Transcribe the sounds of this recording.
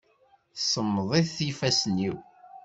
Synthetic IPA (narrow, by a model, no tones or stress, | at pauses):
θsəmːðˤiθθifæsnːiw